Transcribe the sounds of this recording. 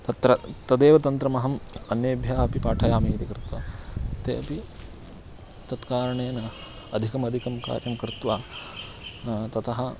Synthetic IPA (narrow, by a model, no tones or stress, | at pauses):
t̪ɐt̪ɾɐt̪ɐd̪eːʋɐt̪ɐnt̪ɾɐmɐɦɐmɐnjeːbʱjaːɐpipaːʈʰɐjaːmiːt̪ikɾɪt̪ʋɐ̰t̪ḛːɐpi | t̪ɐt̪kaːɾɐɳeːnɐ | ɐd̪ʱikɐmɐd̪ʱikɐmka̰ːɾjɐmkɾɪt̪ʋaː | t̪ɐt̪ɐɦɐ